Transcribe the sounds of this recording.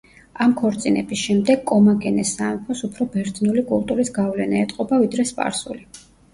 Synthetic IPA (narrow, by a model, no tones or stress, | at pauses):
amkʰɔɾt̪sʼinɛ̰bisʃɛmd̪ɛɡkʼɔmaɡɛnɛsampʰɔsupʰɾɔbɛɾd̪zʼnulikʼulˠt̪ʼuɾisɡavlɛnaɛt̪ʼqʼɔbavid̪ɾɛspʼa̰ɾsṵli